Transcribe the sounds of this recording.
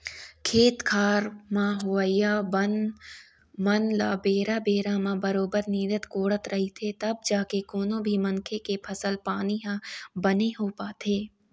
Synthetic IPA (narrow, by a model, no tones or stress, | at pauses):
kʰeːt̪kʰaːɾmãɦʊʋəɪjabən | mɐnla̰ːbeːɾabeːɾamãbɐɾoːbəɾniːd̪ət̪koːɽət̪ɾɐɦit̪ʰet̪ɐb̚d͡ʒaːkekoːnõbʱimɐnkʰekepʰɐsəlpaːniɦãbɐneɦoːpaːt̪eː